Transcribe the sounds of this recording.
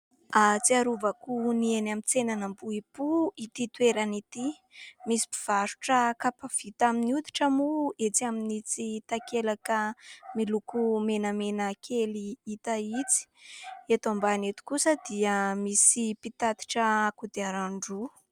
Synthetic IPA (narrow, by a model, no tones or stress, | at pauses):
at͡siaɾuvakunienamit͡senanəmbuipuit̪it̪weɾanit̪i | misi̥pi̥v̥aɾu̥ʈ͡ʂəkapav̥it̪aminiut̪i̥ʈ͡ʂəmuet͡siaminit͡sit̪akelakəmilukumenəmenəkʰeliit̪ait͡si̥et̪ambanet̪i̥kusəd̪̥iəmisipit̪at̪i̥ʈ͡ʂəakud̪eaɾaɳɖ͡ʐu